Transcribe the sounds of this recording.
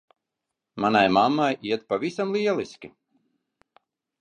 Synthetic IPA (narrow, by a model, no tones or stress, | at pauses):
manajmamːajiɛt̪̚pavisamlˠiɛlˠisʲkʲi